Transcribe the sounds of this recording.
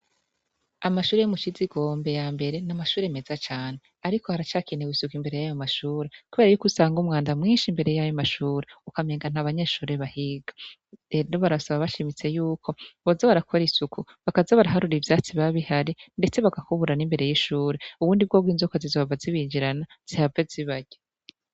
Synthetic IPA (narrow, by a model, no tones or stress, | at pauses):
amaʃuːɾejomut͡ʃiziɡo̞ːmbe̞jaːmbe̞ɾe̞namaʃuːɾeme̞zat͡ʃaːne̞ | aɾiko̞haɾat͡ʃaːkineɡwisukimbe̞ɾe̞jajomaʃuːɾe̞kuβe̞ɾajukusaːŋɡumŋaːndamŋiːnʃimbe̞ɾe̞jajomaʃuːɾeukame̞ːŋɡan̥haβaɲe̞ːʃuːɾe̞βahiɡa | enoβaɾasaβaβaʃimit͡se̞juːkʰo̞βozaβaɾakʰo̞ɾisukʰuβakazaβaɾaɦaɾuɾivjaːt͡siβaβihaɾinde̞t͡se̞βaɡakuβuɾanimbe̞ɾe̞jiʃuːɾeuβuːndib̚ɡo̞ːbɡwinzokozizoβvaziβiːɲd͡ʒiɾana | z̥ihaveziβaɟe